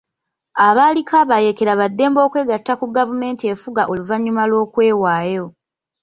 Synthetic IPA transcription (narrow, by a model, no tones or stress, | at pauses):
aβaːlikaβaje̞ke̞ɾaβadːe̞ːmbo̞ːkwe̞ːɡatːakuɡavume̞ːntie̞fuɡaʔo̞luvaɲːumalwo̞ːkwe̞ːwaːjo̞